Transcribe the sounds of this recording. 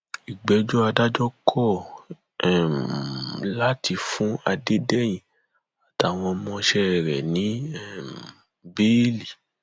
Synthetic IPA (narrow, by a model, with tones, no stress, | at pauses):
i˨ɡ͡bɛ˨˧d͡ʒɔ˦a˧da˦d͡ʒɔ˦kʰɔ˦˨ | la˦ti˧fũ˦a˧de˦dɛ˦jĩ˨ | a˨ta˨w̃ɔ̃˧mɔ̃˧ʃɛ˦˨ɾɛ̰˨nĩ˨˦ɛ˦˨ | be˦li˨